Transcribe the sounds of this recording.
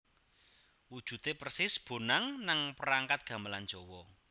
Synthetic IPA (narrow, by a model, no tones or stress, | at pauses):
wud̥ʒ̥ṳt̪epərsɪsb̥o̤naŋnaŋpəɾaŋkat̪̚ɡ̥ä̤mbəland̥d͡ʒ̥ɔwɔ